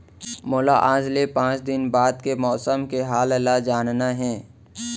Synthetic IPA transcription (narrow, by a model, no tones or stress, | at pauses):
mʊla̰ʔaːd͡ʒlepãːt͡ʃd̪ɪnbaːd̪kemɔːsəmkeɦaːləlad͡ʒaːnnaɦɛ̃ː